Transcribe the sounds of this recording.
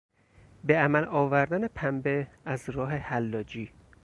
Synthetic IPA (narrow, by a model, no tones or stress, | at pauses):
be̞æmælɒːvæɾd̪æne̞pʰæmbeæzɾɒːɦe̞hælːɒːd͡ʒiː